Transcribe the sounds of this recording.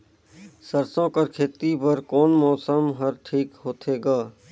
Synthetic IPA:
səɾsõːkəɾkʰeːt̪ipəɾkɔːnmɔːsəmɦəɾʈʰiːkɦoːt̪ʰeːɡaː

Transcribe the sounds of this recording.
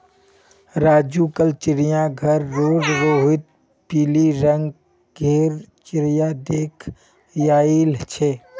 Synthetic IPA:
ɾaːd͡ʒuːkəlt͡ʃɪɾɪjãɡʱɐɾːoːzɾoɦɪt̪̚ | piːliɾə̃ŋɡ | ɡʱeːɾt͡ʃɪɾɪjad̪eːkʰ | jaːilt͡ʃʰeː

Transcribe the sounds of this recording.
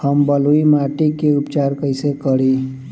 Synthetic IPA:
həmbəluimaʈikeupt͡ʃaɾkəɪsekəɾi

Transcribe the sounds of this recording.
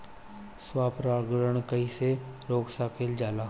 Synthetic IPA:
swaːpɾaːɡɾəɳ̃kəiseɾoːksakeld͡ʒaːlaː

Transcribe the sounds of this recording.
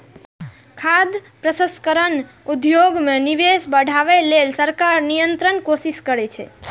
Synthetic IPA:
kʰad̪ | pɾəsə̃skəɾən | ud̪joɡmẽniʋesbəɽʱaʋelelsəɾkaɾnijənt̪ɾənkoʃiʃkəɾet͡ʃʰḛ

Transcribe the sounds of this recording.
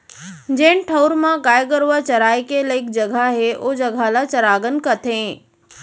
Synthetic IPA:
d͡ʑẽːɪnʈʰɐʊɾmãɡaːjɡəɾuʋat͡ɕɐɾaːikeləɪk̚d͡ʑɐɡʱaɦeʔod͡ʑɐɡʱalat͡ɕɐɾaːɡənkɐt̪ʰẽː

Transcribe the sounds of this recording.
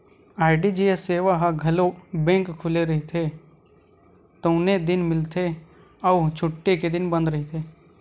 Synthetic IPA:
aːɪɖid͡ʒeeseːʋaɦaɡʱɐlobẽːŋkkʰːʊleɾɐɦet̪ʰe | t̪oːned̪ɪnmɪlt̪ʰe | ɔut͡ʃʰʊʈːeked̪ɪnbə̃nd̪ɾɐɦet̪ʰeː

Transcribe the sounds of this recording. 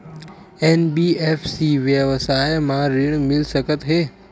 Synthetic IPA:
eːnbiːeːfʰsiːʋjəʋsaːjmãɾɪɳ̃mɪlsəkət̪ɦeː

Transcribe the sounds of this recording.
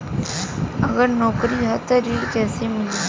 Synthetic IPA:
ɐɡəɾnɔːkɾiɦɛt̪oɾiːɽkɛːsemɪliː

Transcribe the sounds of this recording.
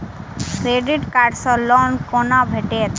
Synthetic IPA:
kɾeɖiʈkaɖsɔlɔnkonabʱeʈet̪

